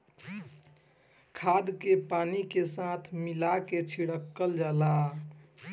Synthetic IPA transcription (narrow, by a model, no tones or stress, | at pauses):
kʰad̪kepanikesat̪ʰmilaket͡ʃʰiɽəkːəld͡ʒaːla